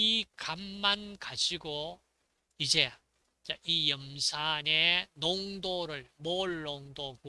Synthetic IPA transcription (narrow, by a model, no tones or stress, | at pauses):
ikamːankaɕʰiɡo | id͡ʑe̞ | t͡ɕaʔijʌmsʰanenoŋdoɾɯɭmoɭːoŋdok